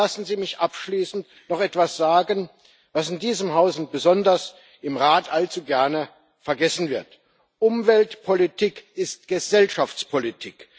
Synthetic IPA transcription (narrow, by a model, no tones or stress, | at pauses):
asn̩ziːmɪçʔapʃliːsn̩t | nɔχɛtv̥asz̥aːɡən | vasɪndiːzəmɦaʊsn̩b̥əzɔndɐs | ɪmʁaːtʰʔalt͡suɡɛɐnə | fɛɐɡɛsn̩vɪɐt | ʔʊmvɛltpʰolitʰikɪstɡ̥əzɛlʃaft͡spʰolitʰiːk